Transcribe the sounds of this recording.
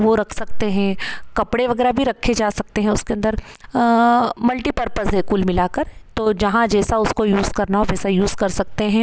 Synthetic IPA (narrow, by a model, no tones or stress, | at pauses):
ʋoɾɐkʰsɐk̚t̪eɦɛ̃kɐpɽeʋɐɡɛːɾabʱiɾɐkʰːed͡ʒaːsɐk̚t̪eɦɛ̃ʊskeɐ̃nd̪əɾ | mɐlʈiːpɐɾpəsɦɛkuːlmɪlaːkɐɾt̪oːd͡ʒɐɦãd͡ʒɛːsaʊskojuːzkɐɾnaɔɾd͡ʒɛːsajuːzkɐɾsɐk̚t̪eɦɛ̃ː